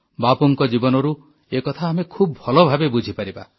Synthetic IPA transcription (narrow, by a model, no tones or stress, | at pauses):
bapuŋkɔd͡ʒibɔnɔɾu | ekɔt̪ʰaːmekʰubɔbʱɔlɔbʱabebud͡ʒʱipaɾiba̰